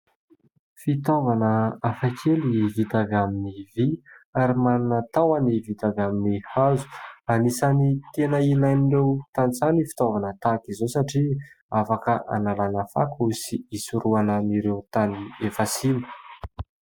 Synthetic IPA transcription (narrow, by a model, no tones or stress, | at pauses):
fit̪ovanəafakʰelivit̪avaminiviaɾimanunət̪awanivit̪avaminihazu̥anisanit̪enəinanirewt̪ant͡sanifi̥t̪ovanət̪akizosaʈ͡ʂi | afakəʔa̰nalanəfa̰kusiisuɾuanəniɾewt̪aniefasinu̥